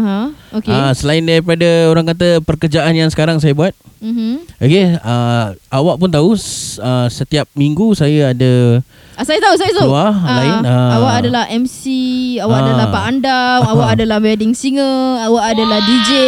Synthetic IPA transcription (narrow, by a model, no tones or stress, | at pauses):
ɦãokeasəlaɪndaɾipadaoɾaŋkat̪̬əpərkərd͡ʒaʔanjaŋsə̥kaɾaŋs̬ajabuat̪̚m̩m̩okeəawaʔpʊnt̪̬auəsət̪iap̚miŋɡusajəada | asajət̪aus̬ajət̪uwalaɪnaawaʔadalaɦʔɛmsiawaʔadalapaʔandamawaʔadalahmɛdɪŋsiŋəawaʔadalahdid͡ʒe